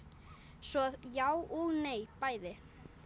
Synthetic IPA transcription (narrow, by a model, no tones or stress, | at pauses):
svɔjaːwʔɔɣneːjpaːjðɪ